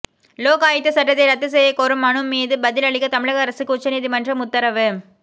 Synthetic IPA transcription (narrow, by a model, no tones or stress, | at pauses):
loːɣaːjɪt̪ːɯsɐʈːɐt̪ːɐɪɾɐt̪ːɯs̬ɛjɐkɔɾɯmːɐnɯmːiːðɯbɐðɪlɐɭɪkːɐt̪ɐmɪɻɐɣɐːɾɐsɯkːɯʊt͡ʃːɐniːðimɐndrɐmʊt̪ːɐɾɐʋɯ